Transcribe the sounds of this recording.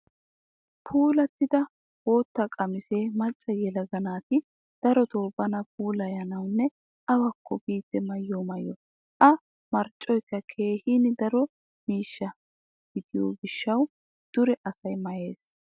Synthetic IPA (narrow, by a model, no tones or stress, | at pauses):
pʰuːlɐt̪ːɪd̪ɐ | woːt̪ːɐkʼɐmɪse̞ːmɐt͡ʃʼːɐjɛlɐɡɐnaːt̪ɪ | d̪̥ɐɾɔt̪oːbɐnɐp̚ʰuːlɐjɐnɐwnːɛ | ʔɐwɐkʰːɔbiːt̪ːɛmɐjːomɐjːɔ̰ | ʔɐ | mɐɾt͡ʃʼːɔjkːɐkʰe̞ːhiːnɪd̪ɐɾɔ | miːʃːɐ | ɡ̥ɪd̪ɪjo̰ːɡɪʃːɐw | d̪̥ʊɾɛʔɐsɐjmɐje̞̰ːs